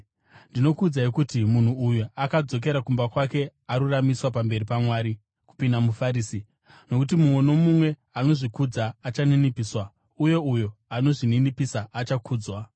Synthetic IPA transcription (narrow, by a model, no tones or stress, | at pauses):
ndino̞kud͡zaikutimun̤uːjuakad͡zo̞k̬e̞ɾakumbakwake̞aɾuramiswapambe̞ripamwaːɾi | ku̥pindamufaɾiːsi | no̞kutimumweno̞mumwe̞ano̞ʐikud͡zaːt͡ʃaninipiːswa | ujo̞ujo̞ano̞ʐininipisaːt͡ʃakʰuːd͡zwa